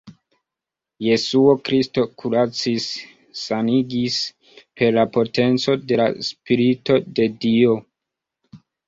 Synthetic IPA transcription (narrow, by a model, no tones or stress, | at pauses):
je̞suo̞kɾisto̞kʰuɾat͡sisː | aniɡis | pe̞ɾlapo̞te̞nt͡so̞de̞la̰spiɾito̞de̞dio̞